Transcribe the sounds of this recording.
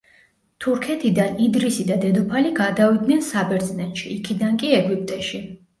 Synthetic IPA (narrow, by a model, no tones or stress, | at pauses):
t̪ʰuɾkʰɛt̪ʰid̪anid̪ɾisid̪ad̪ɛd̪upʰaliɡad̪avid̪nɛnsabɛɾt̪zʼnɛt̪ʃiːkʰid̪ankʼiɛɡwipʼt̪ʼɛʃi